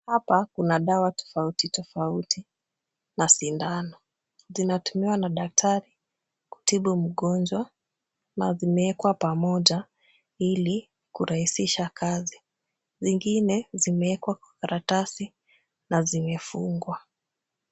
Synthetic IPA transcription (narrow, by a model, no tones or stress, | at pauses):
hapakunaɗawatɔ̥fautitɔfauti | nasindanɔ | zinatumiwanaɗak̚tʰaɾi | ku̥tiɓum̩ɠɔnd͡ʒwa | na̰zimɛɛkwapamɔʄa | ili | kuɾahisiʃakʰazi | ziŋɡinɛzimɛɛkwakwḁkaɾatasi | nazimɛfuŋɡwa